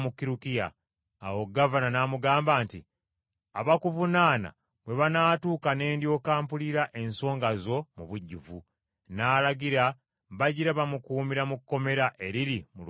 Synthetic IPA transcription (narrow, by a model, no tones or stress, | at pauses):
mukːiɾukijaː | wo̞ɡːavananaːmuɡaːmbaːnti | aβakuvunaːna̰ | bwe̞βanaːtuːkane̞ːndjo̞ːkaːmpuliɾaʔe̞nso̞ːŋɡazo̞muβuɟːuvu | naːlaɡiɾa | βaɟiɾaβamukuːmiɾamukːo̞me̞ɾaʔe̞ɾiɾimul